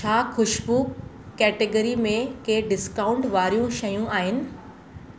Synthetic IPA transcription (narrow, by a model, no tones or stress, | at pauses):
t͡ɕʰaːxʊʃbu | kɛːʈeɡəɾimẽkeɖɪskaːʊ̃ɳʈʋaːɾijũʃɐjũaːɦɪnɪ̆